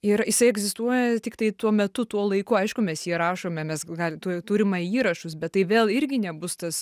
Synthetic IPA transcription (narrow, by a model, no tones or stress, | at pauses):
ɪɾjɪsɐɪɛɡzʲɪst̪uɔjɛt̪ʲɪkt̪ɐɪt̪uɔmʲɛt̪ʊt̪uɔlˠɐɪkʊɐɪʃkʊmʲɛsjiɛɾɑːʃoːmʲɛmʲɛsɡɑlʲt̪ut̪uːɾʲɪmɐiːɾɐʃʊsbʲɛt̪̚ːɐɪʋʲeːlˠɪɾʲɡʲɪnʲɛbʊst̪ɐs